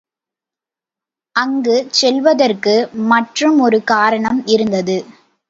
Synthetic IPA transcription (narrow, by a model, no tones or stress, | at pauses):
ʔɐŋɡɯsɛlʋɐðɐrkɯmɐʈrɯmɔɾɯkaːɾɐɳɐmɪɾɯnd̪ɐðɯ